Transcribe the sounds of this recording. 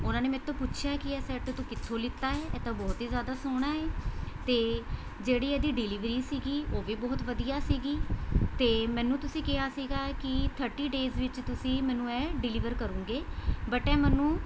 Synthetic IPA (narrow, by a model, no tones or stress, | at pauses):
ʊnãːneːmɛ̃t̪ʰːõːpʊʃʰjaːkɪɛːsɛːʈt̪ũːkɪt̪ʰːõːlɪt̪ːaːɛːɛːt̪ãːbɔːt̪iːzjaːd̪aːsoːɽ̃aːɛːt̪eː | d͡ʒeːɽiːɛːd̪iːɖɪliːʋɾiːsiːɡiːoːʋiːbɔːt̪ʋəd̪ijaːsiːɡiːt̪eːmɛ̃ːnũːt̪ʊsĩːkɪɦaːsiːɡaːkɪt̪ʰəɾʈiːɖeːzʋɪt͡ʃt̪ʊsĩːmɛ̃ːnũːɛ̃ːɖɪlɪːʋəɾkəɾũːɡeːbəʈɛːmɛnũː